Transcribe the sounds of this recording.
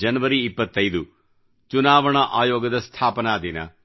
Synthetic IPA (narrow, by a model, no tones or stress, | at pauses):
d͡ʒɐnɐʋɐɾiːpːɐt̪ːɐjd̪u | t͡ʃunaːʋɐɳɐʔaːjɔːɡɐd̪ɐst̪ʰaːpɐnaːd̪inɐ̰